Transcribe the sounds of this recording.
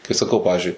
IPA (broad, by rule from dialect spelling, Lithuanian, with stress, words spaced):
kɐɪ sɐˈkɐʊ ˈpɑːʋʲɪzʲd͡ʒʲʊɪ